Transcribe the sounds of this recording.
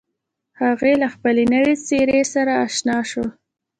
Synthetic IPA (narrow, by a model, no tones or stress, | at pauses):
haɣelaxpəlenəwet͡seɾesaɾaːʃnɑʃo